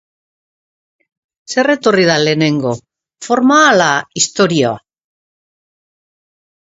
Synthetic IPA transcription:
se̞re̞t̪o̞rið̞ale̞ːne̞ŋɡo̞ | fo̞ɾmaːlaist̪o̞ɾioa̰

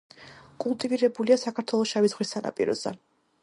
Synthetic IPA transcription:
kʼulˠt̪ʼiviɾɛbuliasakʰaɾt̪ʰwɛlˠɔsʃavid̪zʁχwisːana̰pʼḭɾɔ̰zɛ̰

